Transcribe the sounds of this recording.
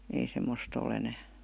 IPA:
ei semːost ol enæː

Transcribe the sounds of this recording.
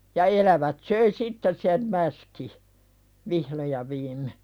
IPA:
jɑ elæʋæt søi sitːes̆ sem mæski ʋihlo jɑ ʋiːmːe

